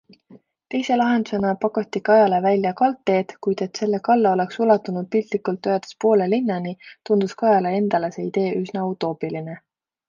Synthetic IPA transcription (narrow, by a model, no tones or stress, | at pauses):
t̪e̞jse̞lɑɦe̞nd̪̥use̞nɑpɑkot̪ːˑikɑjɑle̞vælʲjɑkɑlt̪ːˑe̞ːd̪̥kujd̪̥e̞t̪se̞lːe̞kɑlːɑo̞le̞ksulɑt̪ːˑunud̪̥̚pilt̪likult̪ːøed̪̥espo̞ːle̞linːɑnit̪und̪̥uskɑjɑlee̞nd̪̥ɑle̞se̞ːid̪̥e̞ːʔysnɑut̪ːˑo̞ːpiline̞